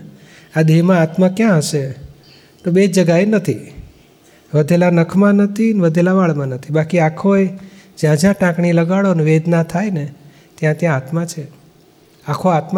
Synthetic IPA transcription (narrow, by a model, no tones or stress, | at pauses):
ad̪ʱimãat̪məkjãɦəʃe | t̪obed͡ʒəɡaenət̪ʰi | ʋəd̪ʱelanəkʰmãnət̪ʰinʋəd̪ʱelaʋaɭmãnət̪ʰibakiakʰoed͡ʒjãd͡ʒjãʈãkɳiləɡaɭonʋed̪nat̪ʰajne | t̪jãt̪jãːt̪mãt͡ʃʰe | akʰoat̪m